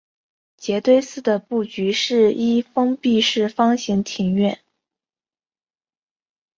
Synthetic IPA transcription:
t͡ɕjɛ˧˥t̪we˥˧ɪsɹ̩˥˩d̪ə˩pu˥˩t͡ɕy˧˥ʂɻ̩˥˩i˥fɤ˥ŋpi˥˧ʂɻ̩˥˩fɑ˥ŋɕi˧˥ŋt̪ʰi˧˥ŋɥɛ˥˩n

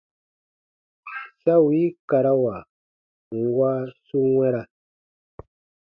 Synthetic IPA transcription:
sa˦wi˨˦ka˨ɾa˦wa˨ | ŋ˨ɡwa˦su˦ŋwɛ˦ɾa˦

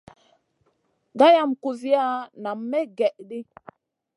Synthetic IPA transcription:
ɡa˦ja˦˨mku˨zi˦ja˦na˨mːe˦ɡɛ˨ʔɗi˦

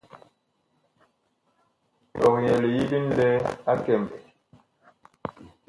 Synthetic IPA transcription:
tɔ˨kjɛ˨li˨ji˦di˦n˦lɛ˦a˦kɛ˨mbɛ˨

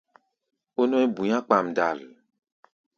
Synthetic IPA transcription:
o˦nɔ̃˦ɛ˦bu˨ɲã˦k͡pa˨m̩˨da˨l

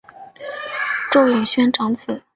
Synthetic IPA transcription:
ʈ͡ʂo˥˧ʊji˨˩ŋɕɥɛ˥nʈ͡ʂɑ˧˥ŋt͡sʰɹ̩˨˩˦

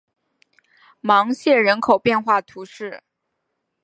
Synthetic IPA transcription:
mɑ˧˥ŋɕjɛ˥˩ɻə˧˥nkʰo˨˩ʊpjɛ˥˧nxwa˥˩t̪ʰu˧˥ʂɻ̩˥˩

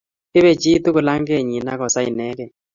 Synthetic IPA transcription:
ɪ˦βe˨d͡ʒi˦t̪u˦kʊ˨la˦ŋɡe˦˨ɲi˨na˦kɔ˨sa˦ɪ˨nɛ˦kɛ˨

